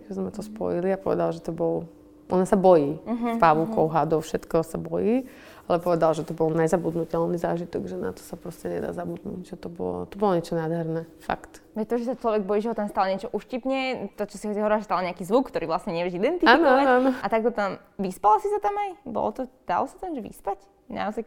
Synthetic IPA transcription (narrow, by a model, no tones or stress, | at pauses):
kɛzmmɛt̪ɔspɔ̰jiliapɔʋɛ̰d̪alʒɛt̪ɔbɔl | ʔɔnasabɔjiːɦpaʋukɔʊɦad̪ɔʊfʃɛt̪kɔsabɔjiː | alɛpɔʋɛd̪alʒɛt̪ɔbɔlɲɛzabud̪nucɛlnizaːʒit̪ɔɡʒɛna̰t̪ɔ̥sapɾɔscɛɲɛ̰d̪a̰ːzabud̪nṵɟʒ̥ɛt̪ɔbɔ̰lɔ̰t̪ɔbɔlɔɲɛt͡ʃɔnaːd̪ɦɛɾnɛfa̰kt̪ | ɛt̪ɔʒɛsat͡ʃlɔʋɛɡ̚bɔjiʒɛɦɔt̪amst̪alɲɛt͡ʃɔʔuʃcipɲɛt̪ɔt͡ʃɔsiɦɔsiɦɔʋɾiɾlaʒɛst̪alɲɛakiːzʋukkt̪ɔɾiːʋlasɲɛɲɪɛʋɛʒid̪ɛnt̪iaːinɔɔaanɔanɔat̪aɡ̚t̪ɔt̪am | ʋispalasisat̪amajbɔ̰lɔt̪ɔd̪̥a̰lɔsat̪amʒɛʋḭspac | na̰ɔzaj